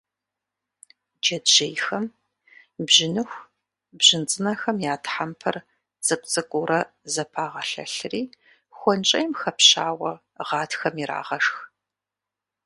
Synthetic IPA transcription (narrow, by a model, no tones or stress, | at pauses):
d͡ʒɐdʒejxɐm | bʒɪnɨxʷ | bʑ̥ɪnt͡sʼɨnɐxɐmjaːtħampʰɐ̰r | z̥ʼɐkʷʼt͡sʼɨkʷʼʊɾɐ | zɐpʰaːʁɐɬɐ̰ɬɨriː | xʷɔnt͡ʃʼɐjmxɐpɕaːwɐ | ʁɑːtʰxɐmiɾa̰ːʁɐʂx